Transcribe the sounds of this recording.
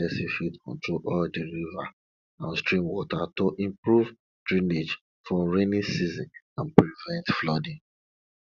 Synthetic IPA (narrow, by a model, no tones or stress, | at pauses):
ɛsifitkʰɔ̰̃ntɹoʔɔldiɹiva | ãnstɹĩmwɔtʰatoʔĩmpɹuv | dɹĩned͡ʒ | fɔɹenisizĩn | ãnpɾivɛ̃ntflɔdĩ